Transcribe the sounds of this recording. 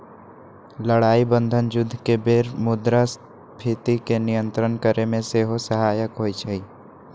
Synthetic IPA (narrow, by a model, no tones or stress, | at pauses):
ləɽaːibə̃nd̪ʱənd͡ʒʊd̪ʱːkebeːɾmʊd̪ɾas | pʰit̪ikenijə̃nt̪ɾənkəɾemẽseɦosəɦaːjəkɦoːit͡ʃʰəi